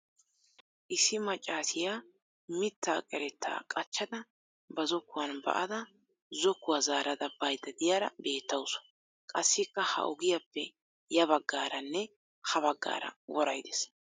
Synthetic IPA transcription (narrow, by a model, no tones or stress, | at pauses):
ʔɪsɪmɐt͡ʃʼːaːsɪjaː | mɪt̪ːaːkʼɛɾɛt̪ːa̰ːkʼɐt͡ʃːɐd̪ɐ | bɐzɔkːʊwɐnbɐ̰ʔɐd̪ɐ | zɔkːʊwazaːɾɐd̪ɐb̥ɐjd̪ɐd̪ɪjaːɾɐbe̞ːt̪ːɐwʊs | kʼɐsːɪkːɐhɐ̰ʔɔɡɪjapːɛ | jɐbɐɡːaːɾɐnːɛ | hɐbɐɡːa̰ːɾɐ̰wɔɾɐjd̪es